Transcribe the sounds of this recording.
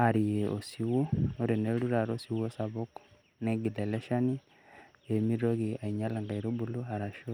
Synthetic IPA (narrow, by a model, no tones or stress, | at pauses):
aɾijeʔo̰siwooɾeneluɾaɾosiwosaβok | neɡideleʃani | emiɾoɣiaiɲalaŋɡaiɾobuloaɾaʃo